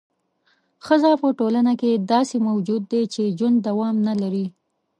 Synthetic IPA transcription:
xəzapəʈolanaked̪ɑsemawd͡ʒud̪ːet͡ʃed͡ʒwand̪d̪ːawɑmnalaɾi

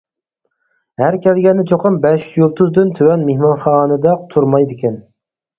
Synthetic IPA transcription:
hæɾkʲʰɛlɡʲɛnːɪt͡ʃʰoqʰɑmbɛʃjuɾt̪ʰuzd̪ɨnt̪ʰøwɛnmehmɑnχɑːnɨd̪ɑq̚t̪ʰuɾmɑjd̪ɪkʲɛn

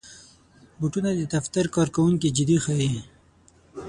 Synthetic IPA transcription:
buʈunad̪əd̪aft̪aɾkɑɾkawuŋkid͡ʒɪd̪ixai

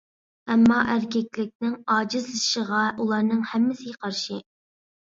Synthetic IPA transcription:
ɛmːɑʔæɾkʲʰɛkʲlɪk̚ʲnɪŋɑːd͡ʒɨzlˠɨʃəʁɑʔulˠɑɾnɨŋhɛmːɪsɪɡʲɛqʰɑɾʃɨ

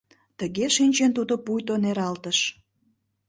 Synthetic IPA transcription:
t̪əɣeʃinʲt͡ɕent̪ud̪opujt̪oneɾɑlt̪əʃ

